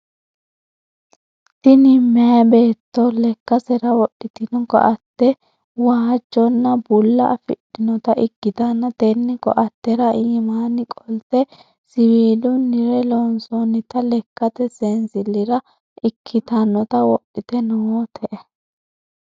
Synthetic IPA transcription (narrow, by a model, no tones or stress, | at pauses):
t̪ɪnɪmːɛjɐbe̞ːt̪ːɔlɛkːɐsɛɾɐwɔɗːɪt̪ɪnɔkɔ̰ʔɐt̪ːɛ | waːd͡ʒːɔnːɐbʊlːɐʔːfɪ̰ɗɪnɔt̪ɐʔɪkːɪt̪ɐnːɐt̪ɛnːɪkɔ̰ʔɐt̪ːɛɾɐʔiːmaːnɪkʼɔlt̪ɛ | sɪwiːlʊnːɪɾɛloːnsɔnːɪt̪ɐlɛkːɐt̪ɛsensɪlːɪɾɐ | ʔɪkʰːɪt̪ɐnːɔt̪ɐwɔʔɪt̪ɛnɔwot̪ʰɛʔɛ